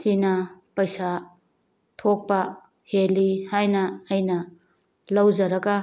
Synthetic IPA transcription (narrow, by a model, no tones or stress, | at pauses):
sinɐpɐjsa | tʰok̚pɐ | helihajnɐːjnɐ | lɐwzɐɾɐɡɐ